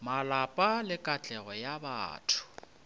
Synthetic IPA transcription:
malapʼalɪkʼat͡ɬʼɛɣɔjaba̰ːtʰʊ̥

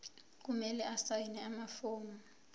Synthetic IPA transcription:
k̬umɛlɛʔasajinɛamafoːmu

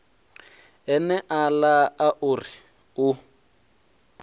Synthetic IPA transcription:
ɛnɛʔalaaʔʊri | ʊ

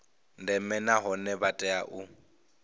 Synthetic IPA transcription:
n̩dɛmɛnaɦɔnɛbatʼɛaʔʊ

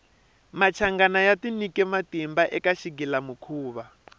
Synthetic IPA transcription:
mat͡ʃʰaŋɡanajatinikɛmatimbaʔɛkaʃiɡilamukʰuːβa

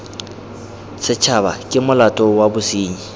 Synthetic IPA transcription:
sɪt͡ʃʰabakʼɪmʊlatʼɔwabʊsiːɲi

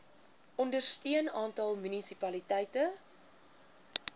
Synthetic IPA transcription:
ʔɔndərstiənɑːntɐlˠmynisipɐlitɛjtə

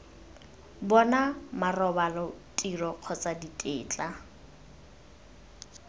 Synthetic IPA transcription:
bɔnamarɔbalɔtʼirɔq͡χʰɔt͡sʼaditʼɪːt͡ɬʼa

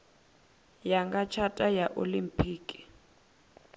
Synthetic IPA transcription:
jaŋɡat͡ʃʰatʼajaʔolimpʰʼiːkʼi̥

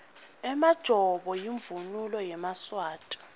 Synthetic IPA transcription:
ɛmad̥ʒ̥ʱɔɓɔjiɱvunulɔjɛmaswaːtʼḁ

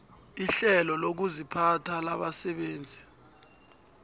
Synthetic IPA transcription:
iɬɛlɔlok̬uzipʰatʰalaɓasɛɓeːnd͡zʱi

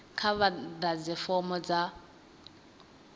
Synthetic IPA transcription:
kʰaβadad͡zifɔmɔd͡za

